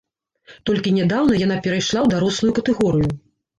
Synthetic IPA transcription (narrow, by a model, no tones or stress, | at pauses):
t̪ɔlʲkʲinʲɛd̪awnɐjan̪apʲɛɾajʂlˠawd̪aɾɔslˠujukɐt̪ɛɣɔɾɨju